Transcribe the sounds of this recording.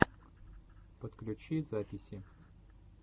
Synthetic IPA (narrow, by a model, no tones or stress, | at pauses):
pət̪klʲʉt͡ɕizapʲɪsʲɪ